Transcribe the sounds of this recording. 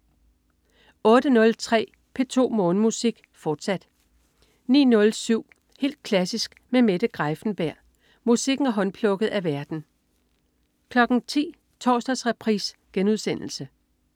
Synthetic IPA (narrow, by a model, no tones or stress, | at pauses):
ɔ̽ːd̥ənɔ̽lt͡sʰʁɛ̰ː | pʰe̝t͡sʰo̝̰ːmɔ̽ːnəmusiɡ̥ | fɒːd̥sæd̥ | nḭːnɔ̽lsyʊ̰ | he̝̰ːld̥̚kʰlæsisɡ̥memed̥əɡ̥ʁɑɪfn̩b̥æɐ̰ | musiɡ̥n̩æɐɦɒ̽npʰlɔ̽ɡ̥əð̩ˠæʋæɐd̥n̩ | kʰlɒ̽ɡ̥n̩t͡sʰḭː | t͡sʰɒ̰ːsd̥ɐsʁɛpʰʁiːsɡ̥enuð̞ˠsen̰l̩sə